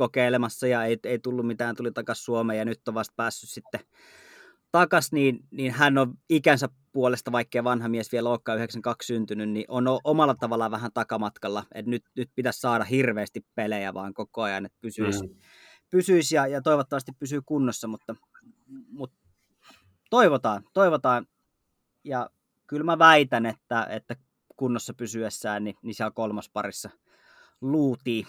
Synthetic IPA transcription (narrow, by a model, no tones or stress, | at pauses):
kokeˑilemɑsːɑjɑeˑieit̪ulːummit̪æːnt̪ulit̪ɑkɑssuomeːjɑnyt̪ːoʋɑst̪̚pæːsːyssit̪ːe | t̪ɑkɑsniːnniːnhænoʋikænsæ | puolest̪ɑʋɑikːeiʋɑnhɑmiesʋieloːkːˑɑːyheksɑŋkɑkssynt̪ynynniʔonoʔomɑlːˑɑt̪ɑʋɑlːˑɑʋæhænt̪ɑkɑmɑt̪kɑlːɑḛt̪nyt̪nyt̪̚pit̪æssɑːɾɑhirʋeːst̪ippelejæʋɑ̰ːŋkokoɑjɑ̰net̪̚pysyis | pysyisjɑjɑt̪oˑiʋot̪ːɑʋɑst̪ippysykunːosːɑmut̪ːɑ | mut̪ | t̪oiʋot̪ɑːnt̪oiʋot̪ɑːn | jɑ | kylmæʋæit̪ænet̪ːæḛt̪ːæ | kunːosːɑpysyesːæːnninisiælkolmɑspɑrisːɑ | luːt̪iː